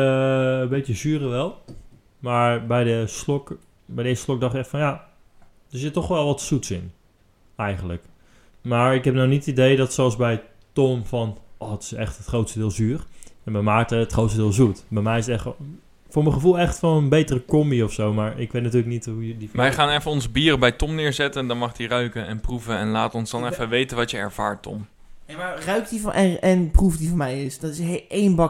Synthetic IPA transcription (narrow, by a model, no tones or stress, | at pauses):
əbejtjəzyːrəʋɛlˠ | maːɹbɛjdəslɔk | bɛjdəɪːsəslɔk̚dɑχtɪkɛχtfɔnja | døsətɔχʋɛlˠʋɔtsutsɪn | ɛjχənlək | maːɹɪkɦɛp̚nownitətidejdɑtsɛlsbɛj | tɔmfɑnʔɔːətɪ̥sɛχtətχrowtstədɪːlˠzyːrɛnməmaːk̚təətχrowtstədɪːlˠzutbɛjmɛjɪsətɛχ | fʊːɹməχəvulˠɛχtfɑnənbejtərəkɔmbiɔfsowmaːɹɪkʋejtnatyːɹlək̚nitɦujdiʋɛjχaːnɛfəɔnzəbiːrəbɛjtɔmnɪːɹzɛtəndɑnmɑχdirœɥkənɛnpruvəɛnlaːtɔnzdɑnɛfəʋejtənʋɑtjəɛɹv̥a̰ːɹtːɔ̰m | amarœɥk̚divʔɛɛnprufdivɔmɛjɪsdɔtɪsɦejnbɑ